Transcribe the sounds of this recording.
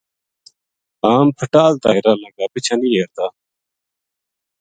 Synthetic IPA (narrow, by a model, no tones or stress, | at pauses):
aːmpʰəʈaːlt̪aːjɾaːlɐɡaːpit͡ɕʰanijeɾt̪a